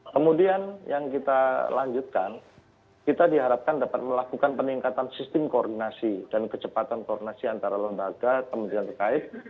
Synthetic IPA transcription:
kəmudianjaŋkit̪alaɲd͡ʒut̪̚kan | kit̪adiɦaɾap̚kandapat̪̚məlakukanpəniŋkat̪ansist̪ɪmkoːrdinasidankət͡ʃəpat̪ankoːrdinasiant̪aɾaləmbaɡakəmunt̪iant̪ərkaɪt̪̚

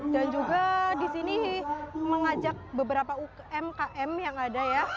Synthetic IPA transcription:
dand͡ʒuɡadisini | məŋad͡ʒak̚bəbəɾapauk | ɛmkaʔɛmjaŋadaja

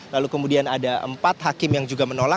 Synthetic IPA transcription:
lalukəmudianadaʔə̰mpat̪̚ɦakɪmjaŋd͡ʒuɡamənola

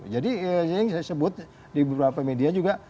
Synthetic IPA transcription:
d͡ʒadiəsajɪŋsajasəbʊt̪̚ | dibəbɾapamediad͡ʒuɡa

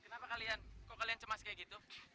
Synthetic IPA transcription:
kənapakaliankokaliant͡ʃəmaskajaɡit̪u

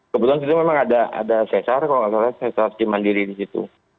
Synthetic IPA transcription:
kəbət̪uans̬it̪umemaŋadaʔa̰dasesarkaloasasasesard͡ʒimandiɾidisit̪ṵ

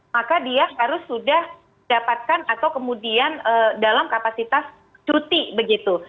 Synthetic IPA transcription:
makadiaɦaɾʊsːudah | dapat̪̚kanat̪awkəmudianədalamkapasit̪as | t͡ʃut̪ibəɡit̪u

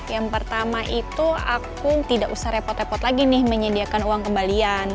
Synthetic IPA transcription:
jaŋpərt̪amaʔit̪ua̰kut̪idaʔusahɾepɔt̪repɔt̪laɡinɪhməɲədiakanuwaŋkəmbalian

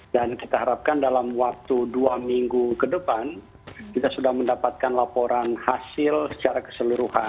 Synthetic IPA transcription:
dankit̪aɦaɾap̚kandalamwak̚t̪uduamiŋɡukədəpan | kit̪asudahməndapat̪̚kanlapoɾanhasɪlsə̥t͡ʃaɾakə̥səluɾuha

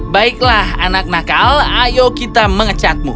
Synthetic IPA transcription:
baɪklahanak̚nakalajokit̪aməŋət͡ʃat̪̚mu

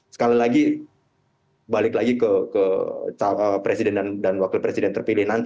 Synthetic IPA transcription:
sə̥kalilaɡi | balɪklaɡikəkət̪aəpɾesidɛndandanwakilpɾesidɛnt̪ərpilɪhnant̪

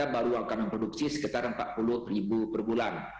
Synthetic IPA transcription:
abaɾuakanməmpɾoduksisə̥kit̪arəmpa̰t̪̚pulʊhribupərbulan

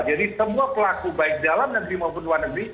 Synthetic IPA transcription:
d͡ʒadisəmuapəlakubaɪk̚dalamnəɡɾimaupʊnluwarnəɡɾi

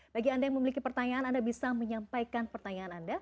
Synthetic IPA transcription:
b̥aɡiandajaŋməmilikipərt̪aɲaanandabisaməɲampajkanpərt̪aɲaːnanda

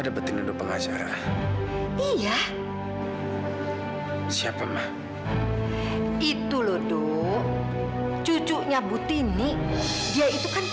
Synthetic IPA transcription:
adabət̪inudʊpəŋat͡ʃa̰ɾa̰ | ija | siapamah | it̪ulodo | t͡ʃut͡ʃuʔɲabut̪inidiait̪ukan

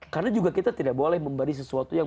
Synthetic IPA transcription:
karnad͡ʒuɡakit̪at̪idak̚bolɛhməmbadis̬əsuat̪ujaŋ

